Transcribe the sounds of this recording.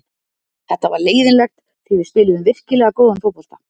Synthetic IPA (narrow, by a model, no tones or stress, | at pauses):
θɛht̪ːavaɾleːjðɪnlɛxt̪ | θivɪspɪːlɪðʏmvɪr̥cɪlɛɣakoːwðanfoːpɔl̥t̪ḁ